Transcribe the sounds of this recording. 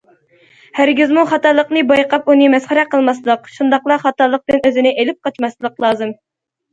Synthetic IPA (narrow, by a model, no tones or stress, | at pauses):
hæɾɡʲizmuχɑt̪ɑlˠːəqnɨbɑjqɑpunɨmɛsχæɾɛqəlˠmɑslˠəqʃund̪ɑqlˠɑχɑt̪ɑlˠːəq̚d̪ɨnøzɪnɪʔelɪp̚qɑt͡ʃmɑslˠəqlˠɑːzɨm